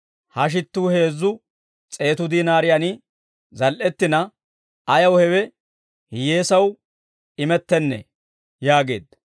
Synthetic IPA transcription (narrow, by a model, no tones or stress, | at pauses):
hɐʃ̬ɪt̪ːuːhe̞ːzːʊ | t͡sʼe̞ːt̪ʊd̪iːnaːɾɪjanɪ | zɐlʔɛt̪ːɪnɐ | ɐjɐwhɛwɛ | hɪje̞ːsɐw | ɪmɛt̪ːɛnːɛ̰ | jaːɡe̞̰ːd̪ɐ